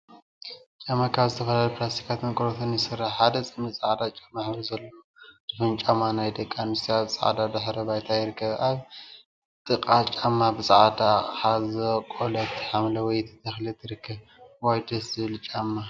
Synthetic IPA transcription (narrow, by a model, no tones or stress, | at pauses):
t͡ʃʼamakʰaβzɨt̪ʰɐfɐlalɐplast̪ʰi̥kʰat̪mɐkʼoɾot̪ʰonjɪsɨrːaħħad̪ɐt͡sʼɨmɨsʼaʕd̪at͡ʃʼamːaħzɐlːooz̥ɨfɨnt͡ʃʼamanajd̪ɐkʼːanɨst̪ʰiaβsʼa̰ʕ̰d̪ad̪ɨħɾɐbajt̪ʰajɪɾɨkʰːɐβaβ | t̪ʼɨkʼat͡ʃʼamːabɨsʼaʕd̪aħazɐkʼolɐt̪ʰːħamlɐwɔjt̪ʰɐ̥t̪ʰɐxlɨt̪ʰɨɾɨkʰːɐβ | wajd̪ɐszɨβɨlt͡ʃʼamːa